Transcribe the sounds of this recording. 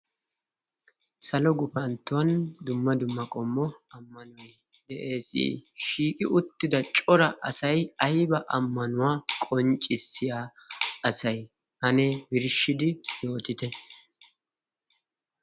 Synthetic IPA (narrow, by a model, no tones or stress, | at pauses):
sɐlɔɡʊpɐnt̪ːʊwɐnd̪ʊmːɐd̪ʊmːɐkʼɔmːɔɐmːɐnʊj | d̪ɛʔe̞ːsḭːʃiːkʼɪʔʊt̪ːɪd̪ɐt͡ʃʼɔɾɐʔɐsɐjɐjbɐʔɐmːɐnʊwaːkʼɔnt͡ʃʼɪsɪjaːɐsɐj | hɐnɛbɪɾʃɪd̪ɪjo̞ːt̪ɪt̪ɛ